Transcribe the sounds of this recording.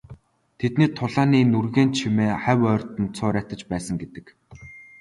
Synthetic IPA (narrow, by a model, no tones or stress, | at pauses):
t̪ʰet̪niːt̪ʰːʊɮaːniːnurɣeːnt͡ɕʰimeːχæwœːrʲt̪ə̆nt͡sʰʊːɾʲæːt̪ə̆t͡ɕpæːsə̆ŋɡet̪ɘ̆k